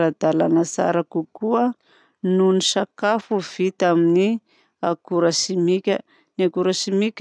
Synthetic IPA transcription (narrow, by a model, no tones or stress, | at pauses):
ɾad̪alanasa̰ɾakukuə | nunisakafuv̥it̪amini | akuɾasimikʲə | niakuɾasimikʲ